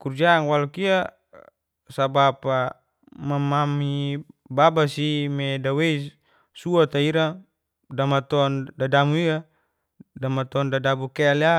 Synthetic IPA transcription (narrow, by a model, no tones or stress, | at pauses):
kurd͡ʒaːŋwalukia | sabapa | mamamibabasimedawei | suat̪aiɾa | damat̪ɔndadamuia | damat̪ɔndadabukɛla